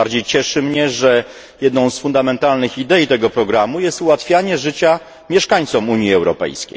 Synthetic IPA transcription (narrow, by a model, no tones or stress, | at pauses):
aɾd͡ʑejt͡ɕɛʂɘmɲɛʐɛ | jɛd̪nɔ̃w̃sfund̪amɛnt̪alnɘxid̪ɛjit̪ɛɡɔpɾɔɡɾamujɛst̪uwat̪fʲjaɲɛʐɘt͡ɕa | mʲjɛʂkaɲt̪sɔmuɲiɛwɾɔ̰pɛ̰jskʲḛj